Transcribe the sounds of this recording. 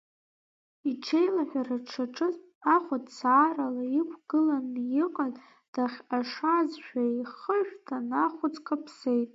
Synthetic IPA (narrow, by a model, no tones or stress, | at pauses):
iʈ͡ʂʰejlaħʷᶣaraʈ͡ʂʰaʈ͡ʂʼɨz | aχʷatt͡saːralaikʷʰɡ̥ɨlanjɪqʼaz | d̥aχʲaʂazʃᶣaiχəʒᶣtʰanaχʷʊt͡sʼkʰʼapʰsejtʼ